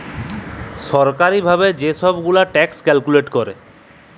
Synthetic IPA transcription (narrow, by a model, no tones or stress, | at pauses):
ʃɔɾkaɾibʱabed͡ʑeʃɔbɡulaʈɛkskɛlkuleʈkɔɾḛ